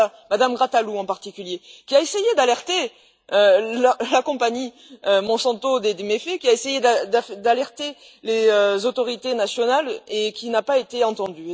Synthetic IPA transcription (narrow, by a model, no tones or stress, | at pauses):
a | mad̪amɡʁat̪aluɑ̃paʁt̪ikʲyljekʲiaesejed̪alɛʁt̪e | øllakɔ̃paɲi | ømɔ̃sɑ̃t̪od̪ed̪emefekʲiaesejed̪ad̪afd̪alɛʁt̪e | leøzot̪ɔʁit̪enasjɔnalekʲinapaet̪eɑ̃t̪ɑ̃d̪y